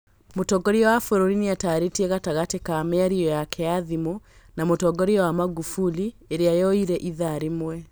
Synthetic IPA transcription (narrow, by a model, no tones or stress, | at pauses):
motɔɡɔɾiɔwafoɾoɾiniataɾetiɛɣataɣatekameaɾiɔjakʰɛaðimo | namotɔɡɔɾiɔwamaɣufulieɾeajɔiɾɛʔiðaɾemwɛ